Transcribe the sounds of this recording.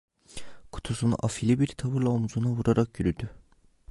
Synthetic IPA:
kʰu̥t̪ʰusun̰ʔafilʲibiɾt̪ʰaβɯɾlˠaomuzunavuɾaɾak̚ɟyɾyd̪y

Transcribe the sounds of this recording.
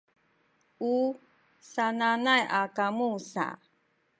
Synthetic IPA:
u | sananajakamusa̰

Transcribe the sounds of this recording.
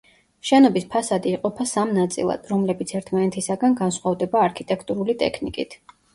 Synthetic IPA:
ʃɛnɔbispʰasad̪iːqʼɔpʰasamnat̪sʼḭlˠa̰d̪̥ɾɔmlɛbit̪sʰɛɾt̪ʰmanɛt̪ʰisaɡanɡansχwavd̪ɛbaːɾkʰit̪ʼɛkʰt̪ʼuɾulit̪ʼɛ̰kʰnikʼḭt̪ʰ

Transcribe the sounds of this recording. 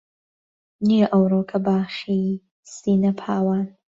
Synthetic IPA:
nijɐʔɐwɾoːkʰɐbaːʃi | siːnɐpʰaːwaːn

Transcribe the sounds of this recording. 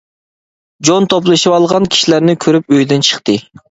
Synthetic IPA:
d͡ʒont̪ʰoplˠɨʃɨɑlˠʁɑnkʲʰi̥ʃilæɾnɪkʲʰøɾyp̚øjd̪ɪnt͡ʃʰə̥χt̪ɨ

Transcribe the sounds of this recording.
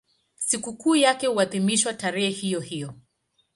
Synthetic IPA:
sikukuːjakɛhuaðimiʃwataɾɛhɛhijɔhijɔ

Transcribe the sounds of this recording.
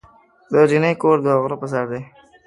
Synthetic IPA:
d̪əd͡ʒinejkoɾd̪əaɣɾopəs̬aɾd̪e

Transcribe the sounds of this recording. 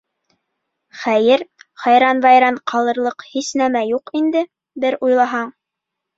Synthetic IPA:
χæjɘɾχɑjɾɑnvɑjɾɑnqʰɑlˠɤ̆ɾlˠɤqhisnæmæjuqind̪ɘ | bɘɾujlˠɑɦɑɴ

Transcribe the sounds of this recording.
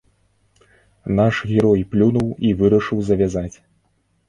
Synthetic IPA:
naʂɣʲɛɾɔjplʲunuwivɨɾɐʂɨwzɐvʲazat͡sʲ

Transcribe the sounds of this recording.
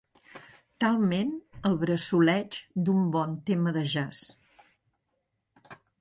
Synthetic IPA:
t̪alˠmenəlˠβɾəsulɛt͡ʃd̪umbɔnt̪eməðəʒas

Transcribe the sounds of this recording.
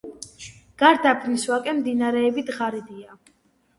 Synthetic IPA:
ɡ̥aɾd̪apʰniswakʼɛmd̪inaɾɛːbid̪ʁaɾid̪ia

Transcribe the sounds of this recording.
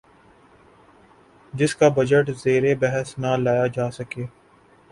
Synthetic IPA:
d͡ʒɪskabɐd͡ʒəʈzeːɾebɛɦəsnalaːjad͡ʒaːsɐkeː

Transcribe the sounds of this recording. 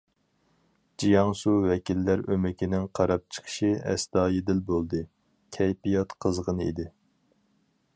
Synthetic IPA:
d͡ʒijɑŋsuwɛkʲilːæɾømɪkʲinɪŋqʰɑɾɑp̚t͡ʃʰə̥qʰə̥ʃiɛ̰sd̪ɑːjed̪ɪlbolˠd̪ɨ | kʲʰɛjpijɑt̪qʰəzʁənɨḭd̪ɪ

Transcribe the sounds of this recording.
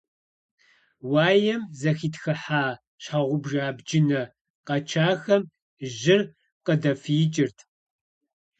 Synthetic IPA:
waːjɛmzɐxiːtxɐħaː | ɕaʁʷʊbʒaːbd͡ʒɪnɐ | qɐt͡ʃʰaːxɐm | ʒɪr | qədɐfiːt͡ʃʼɪrtʰ

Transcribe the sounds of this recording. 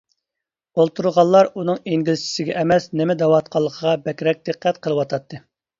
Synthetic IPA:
olˠt̪ʰuɾʁɑlˠːɑɾunɨŋeŋɡʲilt͡ʃʰi̥sɪɡʲɛʔːmɛsnɪmɛd̪ɛwɑt̪̚qʰɑlˠːəqʰəʁɑbɛkʲɾɛk̚ʲd̪ɨqʰːɛt̪qʰəlˠɨwɑt̪ʰɑt̪ʰːɨ

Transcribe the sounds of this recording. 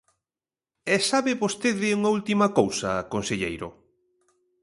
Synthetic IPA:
ɛsaβɪβost̪eðɪuŋɐult̪imɐkowsɐːkonseʎejɾʊ̰

